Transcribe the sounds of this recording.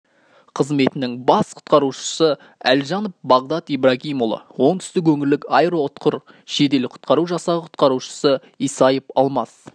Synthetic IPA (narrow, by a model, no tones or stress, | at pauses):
qʰəzme̞t̪ɪnɪŋbɑsqʰʊ̥t̪qɑɾuʃə̥sə | æ̰lʒɑnopbɑʁd̪ɑt̪ibraɡʲijmolˠə̰wo̞ɴt̪ʰʏ̥st̪ɪk̬wɵŋɪɾlɪkɑjɾot̪qʰʊɾ | ʃe̞t̪e̞lɪqʰʊ̥t̪qɑɾuʒɑsɑʁəqʰʊ̥t̪̚qɑɾuʃə̥sə | ijsɑjəpɑlˠmɑs